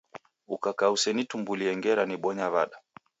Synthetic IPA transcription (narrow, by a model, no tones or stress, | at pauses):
ukakausɛnitumbuliɛŋɡɛɾaniɓɔɲaβaɗa